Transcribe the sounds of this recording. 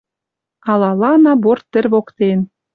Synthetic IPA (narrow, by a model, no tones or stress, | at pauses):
ɑlˠɑlˠɑnɑbort̪ːɘ̆rʲβokt̪en